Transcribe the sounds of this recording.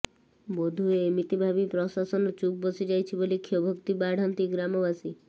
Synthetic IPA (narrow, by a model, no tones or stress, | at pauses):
bod̪ʱueːmit̪ibʱabipɾɔsasɔnɔt͡ʃuk̚bɔsid͡ʒajt͡ʃʰibolikʰiobʱɔkt̪ibaɽ̤ʱɔnt̪iɡɾamɔbasi